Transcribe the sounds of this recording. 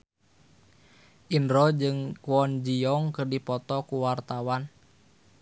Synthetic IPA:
ʔinɾɔd͡ʒɨŋkuɔnd͡ʒiɔŋkɨrdipɔt̪ɔkuwart̪awan

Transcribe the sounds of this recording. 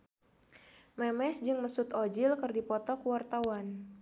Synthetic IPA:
mɛmɛsd͡ʒɨŋməsut̪ɔd͡ʒɪlkərdipɔt̪ɔkwart̪awan

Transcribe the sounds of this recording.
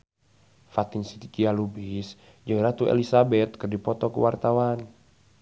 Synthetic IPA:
fat̪insit̪ikialubis | d͡ʒəɾat̪uḛlisabɛt̪̚kɨrdipɔt̪ɔkṵwart̪awan

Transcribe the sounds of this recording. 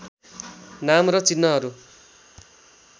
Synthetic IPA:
namrʌt͡sinːʌɦʌɾu

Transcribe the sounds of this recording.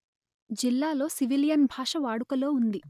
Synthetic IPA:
d͡ʒilːaːlo̞ːsiʋilijɐnbʱaːʂɐʋaːɽukɐlo̞ːund̪i

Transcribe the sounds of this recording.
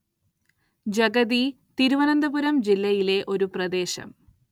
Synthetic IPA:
d͡ʑɐɡɐði | t̪iɾuʋɐnɐnd̪ɐbuɾɐmd͡ʑilːɐjile̞ʔo̞ɾuprɐd̪e̞ːɕɐ̰m

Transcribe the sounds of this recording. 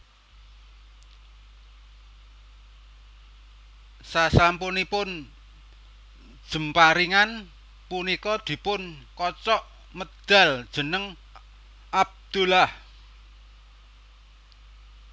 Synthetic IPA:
sasampunipʊn | d̥ʒ̥ə̤mpaɾiŋan | punikɔd̪̥i̤pʊnkɔt͡ʃɔʔ | məd̪̥a̤ld̥ʒ̥ə̤nəŋ | ʔab̚d̪̥ulah

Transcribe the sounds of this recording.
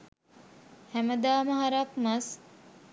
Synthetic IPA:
hæməd̪aːməɦaɾakmɐs

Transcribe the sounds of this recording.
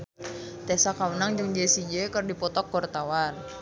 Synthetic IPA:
t̪ɛsakaunaŋd͡ʒəŋd͡ʒesid͡ʒekərdipɔt̪ɔkːɔrt̪awan

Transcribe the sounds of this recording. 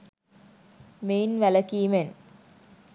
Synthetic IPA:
meːnʋæləkiːmen

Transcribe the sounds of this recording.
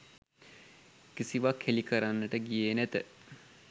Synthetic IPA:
kisiʋakʰːelikəɾanːəʈəɡijeːnæt̪ə

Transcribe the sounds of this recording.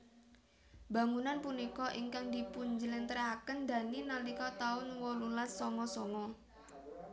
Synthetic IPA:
b̥a̤ŋunanpunikɔʔiŋkaŋd̪ipuɲd͡ʒəlɪnt̪əɾakənd̪a̤ninalikɔt̪aʊnwɔlulasːɔŋɔsɔŋɔ

